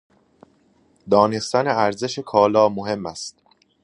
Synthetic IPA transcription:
d̪ɒːne̞st̪æneæɾze̞ʃekʰɒːlɒːmoɦe̞mːæst̪

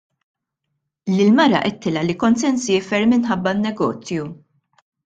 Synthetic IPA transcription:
lɪlmɐɾɐ̰ʔɛt̪ʰːɪlɐlikɔnsɛnsjɪːfɛɾmɪnħɐbːɐnːɛɡɔ̰ːt͡sju

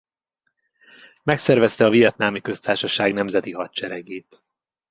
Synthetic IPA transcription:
mɛksɛrvɛst̪ɛɒvijɛt̪naːmikø̞st̪aːrʃɒʃaːɡnɛmzɛt̪iɦɒt̪t͡ʃɛɾɛɡeːt̪

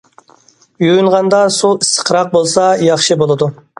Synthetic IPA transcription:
jyjynʁɑnd̪ɑsuisə̥qʰɾɑq̚bolˠsɑjɑχʃɨbolˠɨd̪u

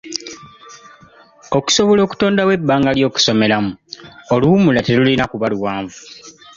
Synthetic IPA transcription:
o̞ku̥so̞βo̞lo̞ːku̥to̞ːndawe̞bːaːŋɡaljo̞ːku̥so̞me̞lamuoluːmulatelulinakuβaluwaːɱvu

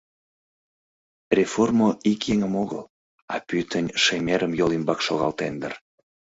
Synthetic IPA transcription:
rʲeformoikjeŋəmoɣə̰l | ɑ̰pyt̪ənʲʃemeɾəmjolimbɑkʃoɣɑ̰lt̪end̪ə̰r

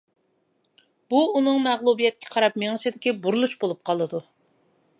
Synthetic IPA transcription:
b̥uunɨŋmɛʁlˠubijɛt̪̚kʲʰɛqʰɑɾɑp̚meŋɨsɪd̪ɪkʲibuɾlˠut͡ʃbolˠup̚qʰɑlˠɨd̪u

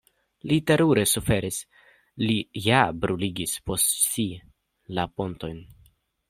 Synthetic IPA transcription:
lite̞ɾuɾe̞sufe̞ɾis | lijabɾuliɡispo̞stsi | lapo̞nto̞jn

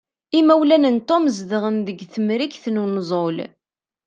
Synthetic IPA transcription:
imæwlænənt̪omzðəʁənðəɡθəmɾikθnunzˤol

